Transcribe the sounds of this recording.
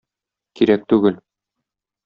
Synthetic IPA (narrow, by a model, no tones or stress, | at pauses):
kiɾæk̚t̪ʉɡɘl